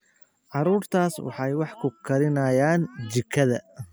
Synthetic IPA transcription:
ʕɑɾuːrt̪ʰaːswɑ̰ħɑjwɑħkʰʊkʰɐɾɪnɐjaːnt͡ʃɪkʰːɐðɐ̰

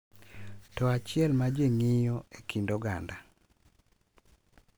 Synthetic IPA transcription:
tɔat͡ʃɪɛlmad͡ʒeŋijɔekʰindoɡa̰nda

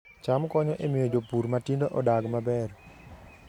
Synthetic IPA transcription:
t͡ʃamkɔɲɔʔemɪjod͡ʒopuɾmatindoʔɔdaɡmabɛr

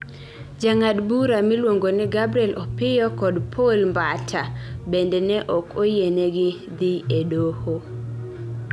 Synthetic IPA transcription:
d͡ʒaŋadbuɾamilwoŋɡonɛɡabɾiɛlʔɔpɪjɔkɔdpʰolmbatʰabendɛnɛʔɔkʰojenɛɡɪ | d̪ɪedoho

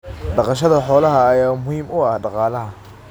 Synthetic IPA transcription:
ɖɑqɑʃ̬ɐðɐħɔːlɐɦɐːjaːmʊhiːmʊɐhɖɑqɑːlɐɦɐ

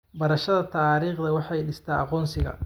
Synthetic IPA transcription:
bɐɾɐʃɐðɐt̪ʰaːɾiːχd̪ɐwɑħɑjɖɪst̪ʰaːʔɑ̰qɔːnsɪɣɐ̰

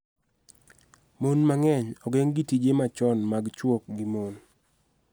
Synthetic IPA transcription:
monmaŋɛɲɔɡɛŋɡitid͡ʒemat͡ʃɔnmaɡt͡ʃwok̚ɡimon

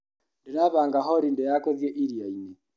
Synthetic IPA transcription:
ndinaβaːŋɡaɦɔɾindɛjakɔðjeʔiɾiaini

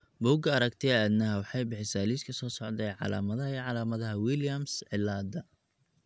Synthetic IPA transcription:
bʊːɡɐɐɾɐɡt̪ʰɪɐd̪nɐɦɐwɑħɑjbɪħɪsaːliːskʰɐsɔːsɔʕd̪ɛjʕɑ̰la̰ːmɐðɐɦɐiːʕɑlaːmɐðɐɦɐwiljɐmsʕɪlːaːd̪ɐ

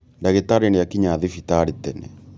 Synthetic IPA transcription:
ndaɣetaɾenejakiɲaðifitaɾitɛnɛ̰

